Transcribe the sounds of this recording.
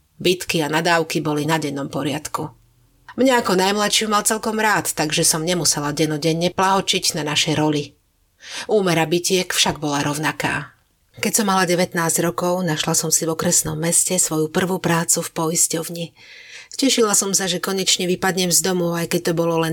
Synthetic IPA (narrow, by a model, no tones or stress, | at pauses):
bit̪kianad̪aːʊkibɔlinaɟɛnːɔmpɔɾɪat̪ku | mɲaakɔnajmlatʃɪumalt͡sɛlkɔmɾaːt̪ːaɡʒɛsɔmɲɛmusɛlaɟɛnɔɟɛɲːɛplaɦɔt͡ʃiɟnanaʃɛjɾɔʎi | uːmɛɾabicɪɛkfʃaɡ̚bɔlaɾɔʊnaka̰ː | kɛcsɔmːalaɟɛʋɛt̪naːzɟɾɔkɔʊnaʃlasɔmsivɔkɾɛsnɔmːɛscɛsʋɔjupr̩ʋupɾaːt͡sufpɔiscɔʊɲi | cɛʃilasɔmsaʒɛkɔɲɛt͡ʃɲɛʋipad̪ɲɛmzd̪ɔmɔʊajkɛc̚t̪ɔbɔlɔlɛn